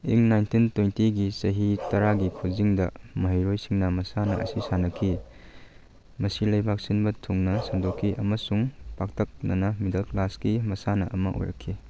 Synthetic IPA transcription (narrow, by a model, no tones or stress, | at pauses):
iŋnajntintwejntiɡisɐɦitɐɾaɡikʰuziŋdɐ̰mɐɦɐjɾojsiŋnɐmɐsanɐ̰ʔɐ̰sisanɐkʰːi | mɐsilɐjbʱak̚sinbɐtʰuŋnɐsɐŋdokʰːiʔɐmɐsuŋpak̚tʰɐk̚nɐnɐmidɐlklasɡimɐsanɐʔɐmɐʔo̰jɾɐ̰kʰːi